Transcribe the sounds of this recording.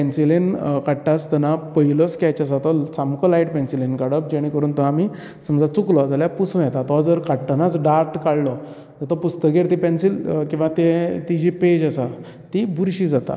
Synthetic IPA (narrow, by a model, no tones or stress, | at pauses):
pɛnsilenkaɽʈːast̪ənapəilɔskat͡ɕas̬at̪ɔt͡samkɔlajʈpɛnsilenkaɽəp̚d͡ʑeɽ̃ĩkəɾuːnt̪ɔami | səmd͡zat͡suklɔd͡zaljapusũːjɛt̪at̪ɔad͡zəɾkaɽʈənat͡sɖaɾʈkaɽlɔ | d͡zat̪ɔpust̪əkeɾt̪ipɛnsilkĩw̃ʋat̪et̪id͡ʑiped͡ʑasa | t̪ibuɾɕiːd͡zat̪a̰